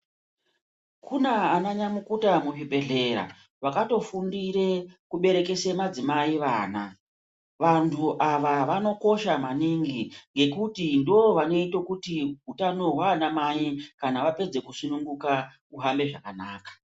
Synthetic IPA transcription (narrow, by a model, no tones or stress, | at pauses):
kʰunaanaɲamukutamuʐibʱe̞ɮe̞ɾa̰ | ʋakato̞fundirekuɓe̞ɾe̞ke̞semad͡zimaiʋaːna | ʋantʰuʔaʋaʋano̞ko̞ʃamaniŋɡiŋɡe̞kutindooʋano̞itokutiɦutano̞ɦwaːnamajikanaʋape̞d͡ze̞kusunuŋɡuka | uɦambe̞ʐakanaːkḁ